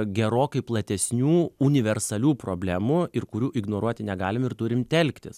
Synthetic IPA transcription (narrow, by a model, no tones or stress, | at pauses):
ɡʲɛɾoːkɐɪplˠɐt̪ʲɛsʲnʲuːunʲɪʋʲɛrsɐlʲuːpɾoːbʲlʲæːmʊɪrkʊɾʲuːʔɪɡnoːɾuɔt̪ʲɪnʲɛɡɑːlʲɪmɪrt̪ʊɾʲɪmt̪ʲɛlʲkt̪ʲɪ̰s